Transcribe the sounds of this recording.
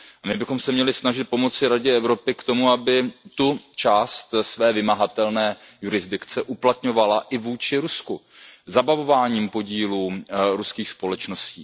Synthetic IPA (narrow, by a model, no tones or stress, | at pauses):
amɪbɪxo̞msɛmɲɛlɪsnaʒɪt̪̚po̞mo̞t͡sɪɾaɟɛɛvɾo̞pɪkt̪o̞muabɪt̪ut͡ʃaːst̪svɛːvɪmaɦat̪ɛlnɛːjuɾɪzdɪkt͡sɛʔuplat̪ɲo̞valaʔɪvuːt͡ʃɪɾuskuzabavo̞vaːɲiːmpo̞ɟiːluːɾuskiːxspo̞lɛt͡ʃno̞scḭː